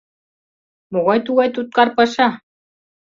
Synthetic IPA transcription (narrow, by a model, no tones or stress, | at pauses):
moɣɑjt̪uɣɑjt̪ut̪̚kɑrpɤʃɑ